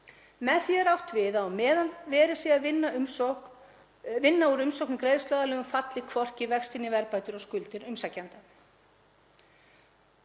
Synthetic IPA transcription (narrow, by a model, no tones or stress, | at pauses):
mɛðθjɛɾawht̪vɪðaːwmɛːðanvɛːɾɪ̥siavɪnːaʏ | vɪnːauɾʏmsowknmkɾeːjðst̪œðalɛːɣʏmfat̪lɪkʰvɔr̥cɪvɛxst̪ɪnːɪvɛɾpajt̪ʏɾɔskʏlt̪ɪɾʏmsacːant̪a